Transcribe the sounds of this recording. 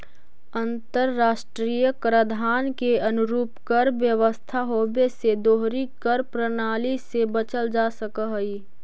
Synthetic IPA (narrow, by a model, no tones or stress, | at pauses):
ə̃nt̪əɾːaːʃʈɾiːjəkɾəd̪ʱaːnkeɐnʊɾuːpkəɾʋjəʋəst̪ʰaɦoːbesed̪oːɦɾikəɾpɾənaːlisebət͡ʃəld͡ʒaːsəkəɦi